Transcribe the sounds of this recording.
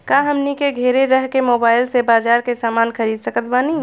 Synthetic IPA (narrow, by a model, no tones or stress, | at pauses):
kaːɦəmnikeɡʱeːɾeɾəɦkemoːbaːɪlsebaːd͡ʒaːɾkesaːmaːnxəɾiːd̪səkət̪baːni